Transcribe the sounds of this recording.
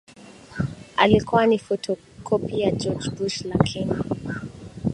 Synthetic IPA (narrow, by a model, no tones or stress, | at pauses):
a̰likʰɔanifɔtʰɔ | kʰɔpijad͡ʒɔd͡ʒbuʃlakʰɛna